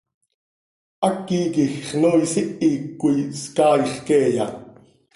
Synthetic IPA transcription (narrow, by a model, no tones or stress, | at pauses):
ʔɑkːiːkixχnoːjsiʔiːkːujskɑːjχkeːjɑ̰